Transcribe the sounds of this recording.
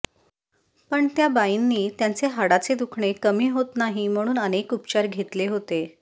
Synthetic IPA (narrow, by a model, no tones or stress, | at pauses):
pəɳt̪jabainːiːt̪jant͡seɦaɽat͡sed̪ukʰɳekəmiːɦot̪naɦim̤əɽ̃uːnənekupt͡ɕaɾɡʱet̪leɦot̪e